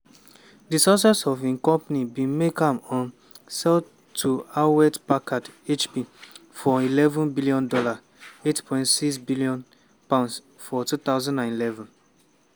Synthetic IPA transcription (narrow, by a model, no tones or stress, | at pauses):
disɔs̬asɔvĩnkɔ̃mpanibĩmekãmɔ̃n | sɛl | tʰuawɛtpakadet͡ʃpifɔilɛvɔ̃nbiliɔ̃ndɔla | etpʰɔ̃ɪj̃ntsiksbiliɔ̃n | pãʊ̃ns | fɔtut̪aʊzãndãnilɛvɔ̃n